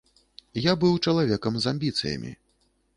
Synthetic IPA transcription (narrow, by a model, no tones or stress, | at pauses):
jabɨwt͡ʂɐlˠavʲɛkɐmzamʲbʲit̪sɨ̰jɐ̰mʲḭ